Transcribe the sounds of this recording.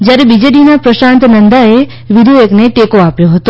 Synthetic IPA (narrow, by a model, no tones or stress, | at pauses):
d͡ʒjaɾebid͡ʒeɖinapɾəʃãnt̪nənd̪ae | ʋɪd̪ʱuekneʈekoapjoɦət̪o